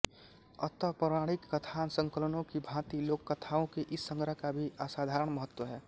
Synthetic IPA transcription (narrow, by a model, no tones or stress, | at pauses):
ə̰t̪əpɾəmaːɽikːət̪ʰansə̃ŋkələnõkibʱãt̪iloːkːət̪ʰaõkeʔɪsːə̃ŋɡɾəkabʱiʔasad̪ʱaːɾəɽ̃məɦət̪wəɦɛː